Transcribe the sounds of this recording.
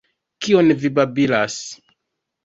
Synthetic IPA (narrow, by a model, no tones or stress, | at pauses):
kionvibabilas